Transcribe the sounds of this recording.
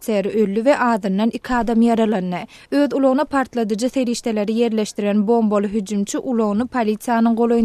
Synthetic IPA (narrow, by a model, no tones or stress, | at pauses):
t̪seɾiʔølːyve̞ʔɑːðɯnːɑnikʲʰiɑːd̪ɑmjɑɾɑlˠɑnːɯ | øːðulˠoɣnɑpʰɑɾt̪lˠɑd̪ɯd͡ʒɯθe̞ɾiːʃt̪e̞le̞ɾije̞ɾle̞ʃt̪iɾenbo̞mbo̞lˠɯɦyd͡ʒymt͡ʃʰiʔulˠo̞ɣnɯpʰalʲit̪sijanɯŋɢo̞lˠo̞j